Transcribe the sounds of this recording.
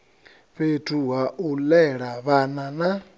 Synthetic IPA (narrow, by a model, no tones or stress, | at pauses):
ɸetʰʼuɦaʔulɛɺaβanana